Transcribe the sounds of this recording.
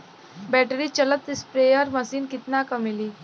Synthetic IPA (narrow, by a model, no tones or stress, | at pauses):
bɛʈəɾiːt͡ɕələt̪ːispɾejəɾməsiːnkit̪nakəmiliː